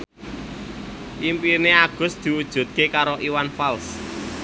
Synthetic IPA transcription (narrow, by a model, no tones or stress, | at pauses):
ʔimpirneaɡ̥ʊ̤sd̪̥i̤ud̥ʒ̥ṳt̪̚kekaɾoʔiwanfals